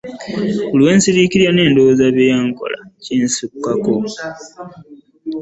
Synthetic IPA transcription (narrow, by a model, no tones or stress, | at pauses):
ulwe̞ːnsiɾikiɾjane̞ːndo̞ːzaβejaŋko̞̰la̰cinsukːako